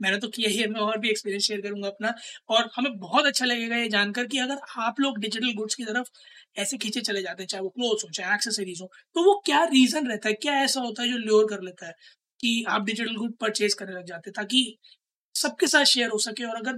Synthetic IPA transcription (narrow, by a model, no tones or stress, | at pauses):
mɛ̃ːnet̪okijaɦiɛmɛ̃ɔːɾbʱiekspiːɾijə̃nsʃeːəɾkɐɾũːŋɡaːɐpnaɔːɾhɐmẽbɔɦɔt̪ɐtːʃʰalɐɡeːɡajed͡ʒaːnkɐɾk̬iɐɡəɾaːploːɡɖɪd͡ʒɪʈ̬əlɡʊʈskit̪ɐɾəf | ɛːsekʰiːt͡ʃet͡ʃɐled͡ʒaːt̪eɦɛ̃t͡ʃaːɦeʋokloːzɦõt͡ʃaːɦeɛːkseseɾiːzɦõt̪oʋokjaːɾiːzənɾɛɦt̪aɦɛkjaːɛːsaɦoːt̪aɦɛd͡ʒoːljoːɾkɐɾleːt̪aɦɛː | kiaːp̚ɖɪd͡ʒɪʈəlɡʊʈ̚pɐɾt͡ʃeːskɐɾnelɐɡ̚d͡ʒaːt̪ẽɦɛ̃t̪aːk̬i | sɐb̚kesaːt̪ʃeːəɾɦosɐkeɔːɾɐɡəɾ